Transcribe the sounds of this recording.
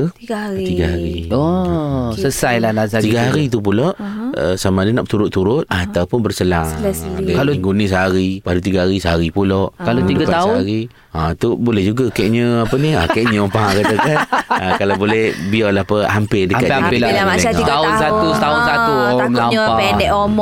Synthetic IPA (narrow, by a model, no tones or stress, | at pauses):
iɡt̪iɡaɦaɾio | səsajlalazaiɡaɦaɾit̪̬up̬ulɔʔə̰samadənaʔ̚t̪uɾʊt̪ːuɾʊt̪̚at̪awupʊnbərsəlaŋɛaloŋɡunis̬aɾipadut̪iɡaɦaɾisəaɾipulɔʔkaloidɡat̪aʊaɾi | at̪ubolɛhd͡ʒuɡakɛʔɲəapəniakkɛʔɲəpaakatakanakalabolɛhbialahpəampɪdəkat̪aamaaiaaʊnsat̪ut̪aʊnsat̪umlaɲaɛdɛʔomɔ